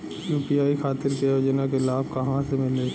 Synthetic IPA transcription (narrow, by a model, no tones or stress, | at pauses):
juːpiaːikʰaːt̪ɪɾkejoːd͡ʒnak̬elaːb̚ʱkɐɦãsemɪlne